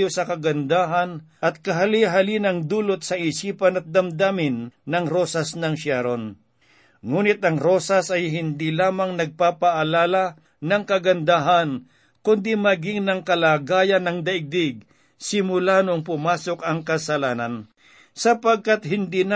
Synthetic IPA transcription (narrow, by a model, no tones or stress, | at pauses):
josɐkɐɡɐnd̪aːɦɐnʔɐt̪̚kɐɦɐliɦɐlinɐŋd̪uːlot̪̚sɐʔɪsiːpɐnɐt̪̚d̪ɐmd̪aːmɪnːɐŋɾoːsɐsnɐŋʃaɾon | ŋuːnɪt̪̚ɐŋɾo̞ːsɐsɐjɦɪnd̪ilaːmɐŋnɐɡ̚papɐʔɐlaːla | nɐŋkɐɡɐnd̪aɦan | kʊnd̪imɐɡɪŋnɐŋkɐlaːɡaːjɐnɐŋd̪ɐʔɪɡ̚d̪ɪɡ̚ | sɪmʊlaːnoŋpʊmaːsokɐŋkɐsɐlaːnɐn | sɐpɐɡ̚kat̪̚hɪnd̪in